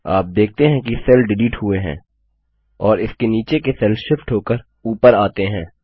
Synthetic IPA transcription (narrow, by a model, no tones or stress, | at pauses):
aːp̚d̪eːk̚ʰt̪eɦɛ̃kisɛlɖɪliːʈɦʊeɦɛ̰̃ː | ɔːɾɪskeniːt͡ʃekesɛlʃɪfʈɦoːkəɾ | uːpəɾaːt̪eɦɛ̃ː